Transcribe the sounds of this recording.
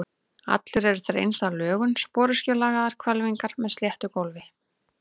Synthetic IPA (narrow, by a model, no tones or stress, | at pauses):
a̰t̪lɪɾɛɾʏθeɾḛjnst̪alœːɣʏnspɔːɾʏscɔlaɣaðaɾ̥kʰvɛlviŋkaɾ̥mɛðsljɛht̪ʏkowlvɪ